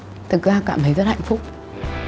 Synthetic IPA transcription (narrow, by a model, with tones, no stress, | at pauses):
t̪ɨ˨˩k̚zaː˧kaː˧˨mt̪ʰə˨˦jzə˦˥t̚ha̰˧˨jŋ̟fʊ˦˥k͡p̚